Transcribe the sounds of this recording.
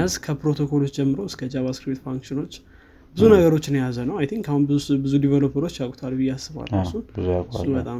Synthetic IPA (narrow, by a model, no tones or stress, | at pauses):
azkʰəpɾo̞t̪ʰo̞kʰo̞lot͡ʃːd͡ʒɛmːɨɾowɨskʰəd͡ʒaβaskɾipt̪faŋkʃɪno̞t͡ʃː | bɨzunəɡəɾo̞t͡ʃːɪnjazənəwajt̪ʰĩŋkahunbɨzubɨzud̪ivelopʰəɾo̞t͡ʃːjakʼt̪ʰalbɨjːɛasːɨβa̰lasuɨakʼnbət̪ʼam